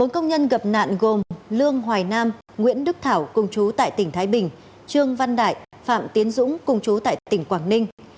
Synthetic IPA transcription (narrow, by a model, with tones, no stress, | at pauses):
ɓo˨˦nkə˧wŋ͡mɲə˧nɣə˨˩p̚na̰ː˧˨nɣo˨˩mlɨ˧əŋɦwaː˨˩jnaː˧m | ŋwḭ˧˥ənɗɨ˦˥k̚t̪ʰaː˧˩wkʊ˧ŋ͡mt͡ɕu˨˦t̪a̰ː˧˨jt̪ï˧˩ŋ̟t̪ʰaː˨˦jɓï˨˩ŋ̟ | t͡ɕɨ˧əŋva˧nɗa̰ː˧˨j | fa̰ː˧˨mt̪i˨˦ənzʊ̰˧˥ŋ͡mkʊ˧ŋ͡mt͡ɕu˨˦t̪a̰ː˧˨jt̪ï˧˩ŋ̟kwaː˧˩ŋnï˧ŋ̟